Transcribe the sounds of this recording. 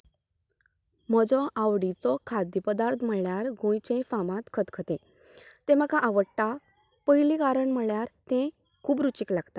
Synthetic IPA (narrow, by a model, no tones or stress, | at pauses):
məd͡zɔʔaʋɽit͡sɔkʰad̪jipəd̪aɾt̪ʰm̤əɭjaɾɡʱõjt͡ɕẽfamãt̪kʰət̪kʰət̪ẽ | t̪ẽməkaʔaʋəʈːa | pəjlikaɾəɳm̤əɭjaɾt̪ɛ̃ | kʰuːbɾut͡ɕiklaɡt̪at̪